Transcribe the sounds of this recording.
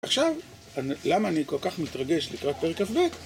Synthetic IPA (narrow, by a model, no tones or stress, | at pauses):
aχʃav | anlamaːniko̞lkaχmit̪ʁaɡe̞ʃlikʁat̚peʁekafbet